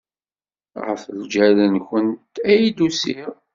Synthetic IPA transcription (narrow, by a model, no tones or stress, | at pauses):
ʁə̰fld͡ʒæɾənçənt̪æjid̪usiɾ